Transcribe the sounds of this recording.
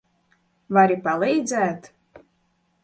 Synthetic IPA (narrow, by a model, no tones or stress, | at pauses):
vaɾʲipalejd͡zat̪